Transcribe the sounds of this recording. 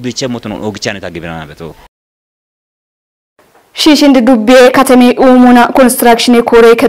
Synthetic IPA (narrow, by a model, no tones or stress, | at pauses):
bit͡ʃːɛmːɔt̪ʊnɔ̰noɡɪt͡ʃːanɪt̪ɐɡɪbɪnɐna̰bɛt̪o | ʃiːʃɪnd̪ɪd̪ʊbːɪʔeːkɐt̪ɐmiːʔuːmunɐkɔnst̪ɪɾaːkʃɪniːkʰoːɾeːkɛ